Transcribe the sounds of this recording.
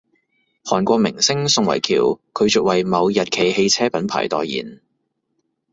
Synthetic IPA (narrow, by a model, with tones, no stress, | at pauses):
hɔː˨˩nkʷɔː˧k̚mɪ̰˨˩ŋsɪ˥ŋsʊ˧ŋwɐ̰˨˩jkʰiː˨˩wkʰɵ˨˧ɥt͡sʊ˨k̚wɐ˨jmɐ˨˧wjɐ˨t̚kʰe˨˩jhe˧jt͡sʰɛː˥pɐ˨˥npʰa̰ː˨˩jt̪ɔ̰ː˨jjḭː˨˩n